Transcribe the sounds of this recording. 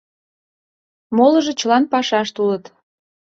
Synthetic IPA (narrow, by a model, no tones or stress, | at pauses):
moləʒet͡ɕəlɑnpɑʃɑʃt̪ulət̪